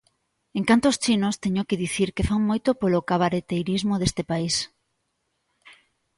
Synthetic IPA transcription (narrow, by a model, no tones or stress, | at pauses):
eŋkant̪oːst͡ʃinost̪eɲokeðiθiɾkefaŋmojt̪opolokaβaɾet̪ejɾizmoðest̪epais